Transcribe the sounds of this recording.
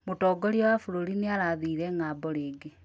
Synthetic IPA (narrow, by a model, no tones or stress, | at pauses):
motɔːɡɔɾiɔwafoɾoɾineaɾaðiːɾɛŋaːbɔɾeːɡe